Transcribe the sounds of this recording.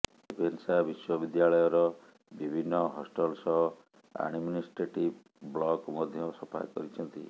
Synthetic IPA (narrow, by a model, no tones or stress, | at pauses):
ebensabiswɔbid̪jaɭɔjɔɾɔ | bibʱinːɔɦɔsʈɔlsɔɦɔ | a̰ɖminisʈɾeʈib | bɭɔkmɔd̪ʱjɔsɔpʰa̰ɾkɔ̰ɾit͡ʃʰɔnt̪ḭ